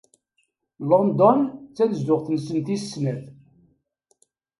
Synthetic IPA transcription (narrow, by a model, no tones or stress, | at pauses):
lond̪ɔnt͡sːænəzːʊʁθnsənt̪isːnæθ